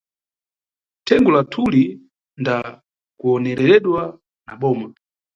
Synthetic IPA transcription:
tʰɛŋɡɔlatʰuli | nda | kuɔnɛɾɛɾɛɗwa | na̰ɓɔːma

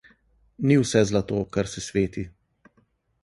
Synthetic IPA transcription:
niwsɛzlat̪oːkaɾsɛsʋeːt̪i

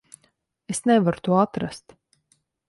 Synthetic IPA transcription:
esnevaɾut̪uɔat̪ɾast̪

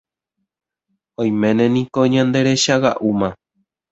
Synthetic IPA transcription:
õj̃mẽ̞nẽnĩkoɲãnd̪e̞ɾe̞ʃawa̰ʔumã

